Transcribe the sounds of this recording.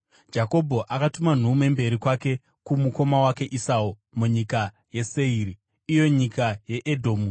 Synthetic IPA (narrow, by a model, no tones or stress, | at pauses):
d͡ʒako̞bʱo̞ʔakatuman̤ume̞mbe̞ɾikwake̞ | kumuko̞mawake̞ʔisau | muɲika | je̞seiːri | ijo̞ɲikajeʔedʱo̞ːmu